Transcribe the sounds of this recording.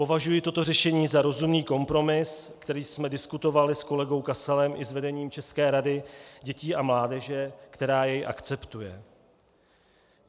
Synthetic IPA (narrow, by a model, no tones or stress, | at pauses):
po̞vaʒujɪt̪o̞t̪o̞rɛʃɛɲiːzaɾo̞zumniːko̞mpɾo̞mɪskt̪ɛɾiːsmɛdɪskut̪o̞valɪsko̞lɛɡo̞wkasɛlɛmʔɪzvɛdɛɲiːmt͡ʃɛskɛːɾadɪɟɛciːʔamlaːdɛʒɛkt̪ɛɾaːjɛjʔa̰kt͡sɛpt̪ujɛ